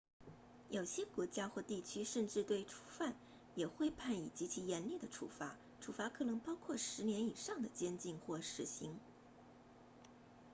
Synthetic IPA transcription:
jo˨˩ʊɕjɛ˥kwɔ˧˥t͡ɕja˥xwɔ˥˧t̪i˥˩t͡ɕʰy˥ʂə˥˧nʈ͡ʂɻ̩˥˧t̪we˥˩ɪʈ͡ʂʰu̥˧˥fa˥˩n | jɛ˨˩xwe˥˧ɪpʰa˥˩ni˨˩t͡ɕi˧˥t͡ɕʰi˧˥jɛ˧˥nli˥˩d̪ə˩ʈ͡ʂʰṵ˧˥fa˧˥ | ʈ͡ʂʰu˧˥˩fa˧˥kʰɤ˨˩nɤ˧˥ŋpɑ˥ʊkʰwɔ˥˩ʂɻ̩˧˥njɛ˧˥ni˨˩ʂɑ˥˩ŋd̪ə˩t͡ɕjɛ˥nt͡ɕi˥˧ŋxwɔ˥˩ʂɻ̩˧˥ɕi˧˥ŋ

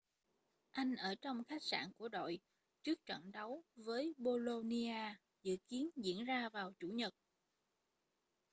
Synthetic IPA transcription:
ʔa˧jŋ̟ʔəː˧˩t͡ɕɔ˧wŋ͡mxa˦˥jk̚sa̰ː˧˩nku˧˩əɗo̰˧˨j | t͡ɕɨ˦˥ək̚t͡ɕə̰˧˨nɗa˨˦wvəː˨˦jɓo˧lo˧ni˧aː˧ | zɨ̰˧˨ki˨˦ənzḭ˧˨ənzaː˧vaː˨˩wt͡ɕu˧˩ɲə˨˩t̚

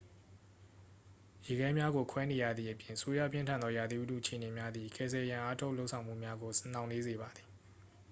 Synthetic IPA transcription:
je˨ɡɛ˦mja˦ɡo˨kʰwɛ˦ne˨ja̰˦˨d̪ði˨ʔəpjɪ̃˨ʔəso˦jä̰˦˨pjɪ̃˦ntʰã˨nd̪ɔ˦ja˨d̪i˦ʔu˦tṵ˦˨ʔə˨e˨ne˨mja˦d̪i˨kɛ˦˨zɛ˨jã˨ʔa˦tʰo˦ʊʔlo˦ʔsʰã˨ʊ̃mṵ˦˨mja˦ɡo˨snã˨ʊ̃ne˦ze˨ba˨d̪ði˨

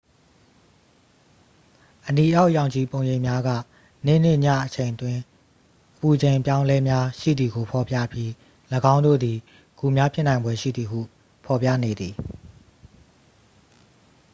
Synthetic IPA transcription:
ʔəni˨ʔja˦ʊʔjã˨ʊ̃ɲt͡ɕi˨põ˨ʊ̃jẽ˨mja˦ɡä̰˦˨ | nḛ˦˨n̥ɪ̰˦˨ɲä̰˦˨ʔət͡ɕʰẽ˨ɪ̃ntwɪ̃˦ | ʔəpu˨d͡ʑẽ˨pjã˦ʊ̃lɛ˦mja˦ʃḭ˦˨d̪ði˨ɡo˨pʰɔ˨pja̰˦˨pji˦ | ləɡã˦ʊ̃ndo̰˦˨d̪i˨ | ɡ̥u˨mja˦pʰjɪ˦ʔnã˨ɪ̃mbwɛ˦ʃḭ˦˨d̪ði˨ɦṵ˦˨ | pʰɔ˨pja̰˦˨ne˨d̪ði˨

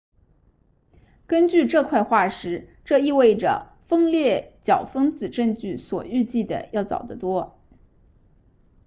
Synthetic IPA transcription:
kə˥nt͡ɕy˥˧ʈ͡ʂɤ˥˧kʰwa˥˧ɪxwa˥˩ʂɻ̩˧˥ʈ͡ʂɤ˥˧i˥˧we˥˩ɪʈ͡ʂə̰˩ | fɤ˥ŋljɛ˥˩t͡ɕjɑ˨˩ʊfɤ˥ŋt͡sɹ̩˨˩ʈ͡ʂɤ˥˧ŋt͡ɕy˥˩swɔ̰˨˩y˥˧t͡ɕi˥˩d̪ə̰˩jɑ˥˩ʊt͡sɑ̰˨˩ʊd̪ə˦t̪wɔ˥

